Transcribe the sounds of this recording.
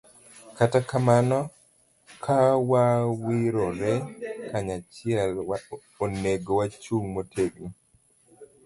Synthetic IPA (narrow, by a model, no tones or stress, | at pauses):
katakamanɔ | kʰawawiɾɔɾɛkaɲat͡ʃɪɛlwa | oneɡowat͡ʃuŋmotʰeɡni